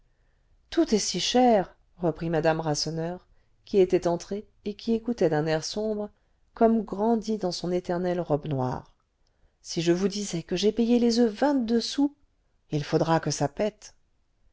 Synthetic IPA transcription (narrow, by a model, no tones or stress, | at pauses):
t̪ut̪ɛsiʃɛʁ | ʁəpχimad̪amʁasɔnœʁ | kʲiet̪ɛt̪ɑ̃t̪χe | ekʲʰiekut̪ɛd̪ɛ̃nɛʁsɔ̃bʁə | kɔmɡʁɑ̃d̪id̪ɑ̃sɔ̃net̪ɛʁnɛlʁɔbnwa̰ːʁ | siʒəvud̪izɛkəʒɛpɛjelezøvɛ̃t̪̚d̪øsu | ilfod̪ʁakəsapɛt̪